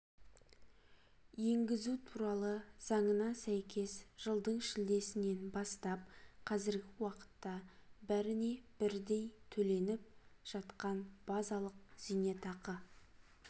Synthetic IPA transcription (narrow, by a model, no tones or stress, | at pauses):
je̞ŋɡʲɪzut̪ʰuɾɑlˠəz̥ɑɴənɑsæjkʲʰe̞sʒ̥əlˠd̪əɴʃɪld̪e̞sɪne̞nbɑst̪ɑp̚qʰɑzɪɾɡʲɪwɑqə̥t̪ːɑbæɾɪne̞b̥ɪɾd̪e̞jt̪ʰɵle̞nɪp̚ʒ̥ɑt̪qɑnb̥ɑzɑlˠəq̚z̥ijne̞t̪ɑqə